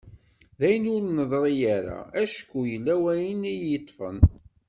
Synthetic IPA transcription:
ðæjənʊɾnəðˤɾˤijaɾa̰æʃkːujəlːæwæjənijət̪ˤːfə̰n

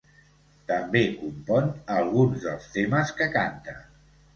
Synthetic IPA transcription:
t̪əmbekumpɔnəlˠɣ̞unzðəlˠst̪eməskəkant̪ə

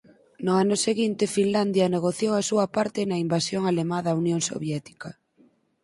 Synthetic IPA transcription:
nʊanʊseɣint̪efinland̪jɐneɣ̞oθjowɐsuɐpaɾt̪ɪnɐimbasjoŋalemãðaunjoŋso̰βjɛt̪i̥kɐ

